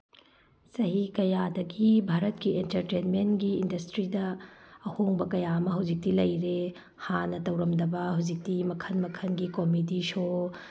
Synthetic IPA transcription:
sɐɦikɐjadɐɡibʱaɾɐtkientɐɾtenmenɡiːndɐstɾidɐːhoŋbɐkɐjamɐɦɐwd͡ʒik̚tilɐjɾe | hanɐtɐwɾɐmdɐbɐhɐwd͡ʒik̚timɐkʰɐnmɐkʰɐnɡikomit̬iso

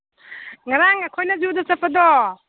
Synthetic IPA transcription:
ŋaɾaŋakʰojnaziwd̪ɔt͡sapʰad̪ɔ

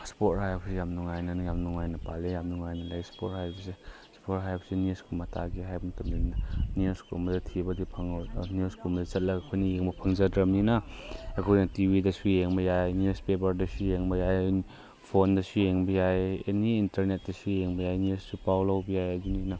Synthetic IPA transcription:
spot̚hajbsejamnuŋajnɐnjamnuŋajnɐpalejamnuŋajnɐlajspot̚hajbse | spot̚ɦajbsenuskumata̰ɡiɦajbntɐmlinnaniuskɾṵmbɐzetʰibɐdipʰɐŋniuskumdit͡ʃɐt̚lɐkɐkʰojnijeŋbɐpʰɐŋzɐdɾɐmninaekʰojnitibidɐsujeŋbɐjajnjuspebɐɾdɐsujeŋbɐjaj | pʰondɐsujeŋbɐjajḛniːntɐɾnet̚dɐsujeŋbɐjajniussupawlawbijajadunina

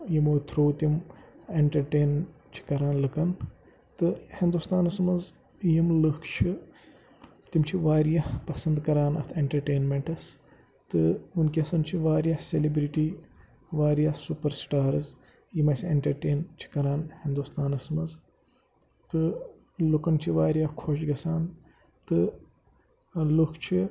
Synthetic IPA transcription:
jimoːt̪ʰɾoːt̪imeɳʈɐɾʈeːn | t͡ʃʰi̥kɐɾaːnlɨkɐn | t̪ɨhind̪ust̪aːnɐsmɐz | jimlɨkʰt͡ʃʰɨ | t̪imt͡ʃʰiʋaːɾijɐhpɐsɐnd̪kɐɾaːnɐ̰t̪ʰeɳʈɐɾʈeːnmeɳʈɐs | t̪ɨunkiɐsɐnt͡ʃʰiʋaːɾijɐhselibɾiʈiː | ʋaːɾijahsupɐɾsʈaːɾɐz | jmɐsieɳʈɐɾʈeːnt͡ʃʰi̥kɐɾaːnhĩnd̪ust̪aːnɐsmɐz | t̪ɨ | lukɐnt͡ʃʰiʋaːɾijahkʰoʃɡɐsaːn | t̪ɨ | lukʰt͡ʃʰi

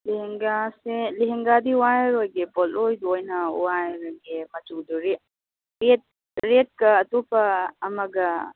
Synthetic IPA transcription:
liɦeŋɡaseliɦeŋɡadiuwaɾojɡebɔlojduojnɐṵwajɾojɡemɐtuduɾet̚ | ɾet̚ | ɾet̚kɐːtopɐːmɐɡɐ

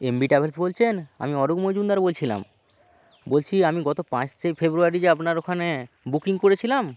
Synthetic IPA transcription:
embiʈabelsbolt͡ɕʰena̰miɔɖukmod͡ʑund̪aɾbolt͡ɕʰila̰m | bolt͡ɕʰiamiɡɔt̪opãt͡ɕt̪ejfʰebɾuaɾid͡ʑeapnaɾokʰane | bukiŋkoɾet͡ɕʰilam

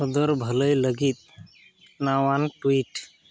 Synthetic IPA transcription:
əd̪əɾbʱələjləɡit̪̚ | nawanʈuiʈ

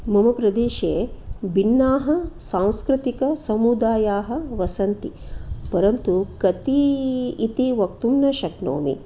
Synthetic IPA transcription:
mɐmɐpɾɐd̪eːʃeːbinːaːɦɐ̆sãːw̃skɾit̪ikɐsɐmud̪aːjaːɦɐ̆ʋɐsɐnt̪i | pɐɾɐnt̪ukɐt̪iː | t̪iʋɐk̚t̪umnɐʃɐkno̰ːmḭ

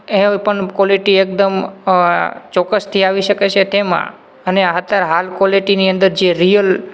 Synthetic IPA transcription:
epəɳkɔliʈiek̚d̪əm | t͡ʃɔkːəst̪ʰiaʋiʃəket͡ʃʰet̪emã̰ | əneaɦət̪aɾɦalkɔliʈiniənd̪əɾd͡ʒeɾijəl

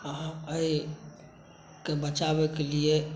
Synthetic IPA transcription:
ɦãəi | kebət͡ʃabekelie

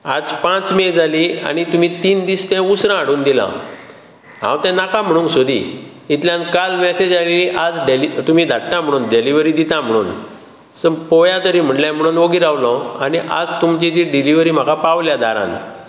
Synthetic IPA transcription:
ad͡zpãt͡smed͡zʱalia̰nit̪um̤it̪iːnd̪iːst̪ɛ̃usɾãːɽuːnd̪ilã̰ | ɦã̰wt̪ɛ̃nakãm̤əɽ̃ũːnksod̪ḭ | it̪ljãnkalmɛsed͡ʑaleliʔad͡zɖelit̪umiːd̪ʱaʈːãm̤əɽuːnɖeliʋɾid̪it̪ãm̤əɽ̃ṵːn | səpɔjat̪əɾĩm̤əɳʈljãm̤əɽ̃uːnoɡiːɾaʋlɔ̃aniʔa̰d͡zt̪umt͡ɕid͡ʑ̪iɖiliʋɾiːm̤akapaʋljad̪aɾã̰n

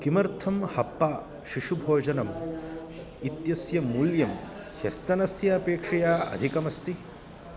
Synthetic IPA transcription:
kimɐɾt̪ʰɐmhɐpːaː | ʃiʂubʱoːd͡ʒɐnɐm | it̪jɐsjɐmuːljɐm | hɐst̪ɐnɐsjɐːpeːkʂɐjaːɐ̰d̪ʱikɐmɐst̪i

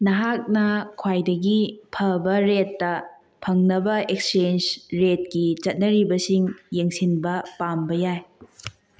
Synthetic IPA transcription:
nɐɦak̚nɐkʰwajdɐɡipʰɐbɐɾetːɐ | pʰɐŋnɐbɐekst͡ʃend͡ʒɾet̚kit͡ʃɐt̚nɐɾibɐsiŋjeŋsinbɐpambɐjaj

